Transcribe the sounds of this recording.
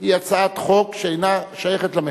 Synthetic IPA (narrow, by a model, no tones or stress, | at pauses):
ijat͡sat̪χokʃeejnaʃajeχet̪lame